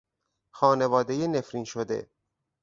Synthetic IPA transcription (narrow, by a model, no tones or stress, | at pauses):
xɒːne̞vɒːd̪ejene̞fɾiːnʃod̪e̞̰